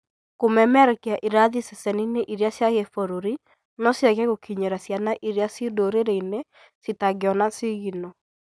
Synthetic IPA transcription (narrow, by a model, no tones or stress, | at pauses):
komɛmɛɾɛkɛaʔiɾaðisɛsɛnineʔiɾasjaɣefoɾoɾi | nɔsjaɣɛɣokʰiɲeɾasjanaʔiɾjasidoɾeɾeine | sitaɡeɔnasiɣinɔ